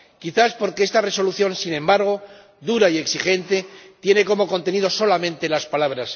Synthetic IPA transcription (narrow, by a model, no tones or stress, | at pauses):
kiθaspo̞ɾkeest̪are̞so̞luθjo̞nsinẽ̞mbaɾɣ̞o̞ | ðuɾaie̞ksixe̞nt̪e̞t̪je̞ne̞ko̞mo̞ko̞nt̪e̞niðo̞so̞lamẽ̞nt̪e̞laspalaβ̞ɾas